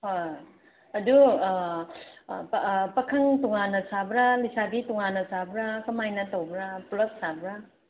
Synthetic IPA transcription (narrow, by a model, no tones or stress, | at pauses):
hoj | ɐdu | pɐkʰaŋtuŋanɐsabɾalisadituŋanɐsabɾakɐmajnɐtowbɾapulɐp̚sabɾa